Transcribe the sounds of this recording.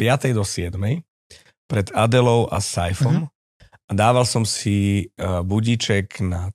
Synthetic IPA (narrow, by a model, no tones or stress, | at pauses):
pɪat̪ɛjd̪ɔsɪɛd̪mɛj | pɾɛd̪ad̪ɛlɔʊʔa̰sajfɔm | ad̪aːʋalsɔmsi | buɟit͡ʃɛɡna